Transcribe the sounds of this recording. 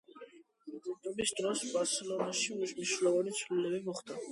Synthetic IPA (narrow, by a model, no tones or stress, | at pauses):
t̪ɔbisd̪ɾɔsbaɾsɛlɔnaʃiusniʃlɔvanit͡sʰulɛlɛbimɔχt̪a